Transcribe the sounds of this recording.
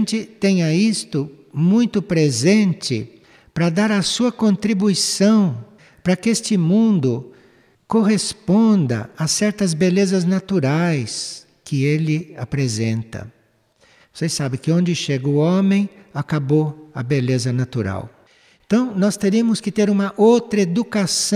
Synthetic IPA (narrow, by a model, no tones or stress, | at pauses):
nt͡ʃɪt̪ẽj̃ɐist̪ʊmũj̃t̪ʊpɾezẽnt͡ʃɪ̰ | pɾɐd̪aɾɐsuɐkõnt̪ɾibuisɐ̃w̃ | pɾɐkɪest͡ʃɪmũnd̪ʊ | koɦespõnd̪ɐ̰asɛɾt̪ɐzbelezɐznat̪uɾajs | kɪelɪapɾezẽnt̪ɐ̰ | vosesabɪ̃kɪõnd͡ʒɪʃeɡɐʊõmẽj̃akaboɐbelezɐnat̪uɾa̰w | ẽnt̪ɐ̃w̃nɔst̪eɾiɐmʊskɪt̪eɾũmɐʔowt̪ɾɐed̪ukasɐ̃